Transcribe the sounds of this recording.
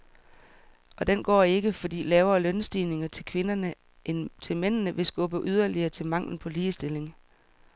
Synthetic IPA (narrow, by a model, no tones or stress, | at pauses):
ʔɒ̽d̥enɡ̥ɒ̰ːe̝ɡ̥əfɒ̽d̥ḭːlɛːʊɐlœnsd̥iːne̝ŋɐt͡sʰe̝kʰʋe̝nɐnə | nt͡sʰe̝lmen̰nəʋe̝sɡ̥ɔ̽b̥əʔyð̞ˠɐliɐːt͡sʰe̝lmɑ̈ŋ̰ln̩pʰɒ̽liːsd̥e̝le̝ŋ